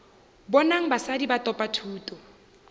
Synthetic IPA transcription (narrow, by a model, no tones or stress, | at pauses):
bɔnaŋ̩basadibatʼɔpʼatʰuːtʼɔ